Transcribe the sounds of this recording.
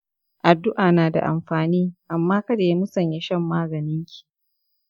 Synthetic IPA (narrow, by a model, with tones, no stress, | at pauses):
ʔa˨dːʊ˦ʔaː˨naː˨da̰˨ʔa̰˨mɸaː˨niː˦ʔa˨mːaː˦kɐ˦deː˨mʊ˦sɐ˦˨ɲje˨ʃɐ˦mːaː˦ɡɐ˨nɪ˦ŋkʲʰi̥˨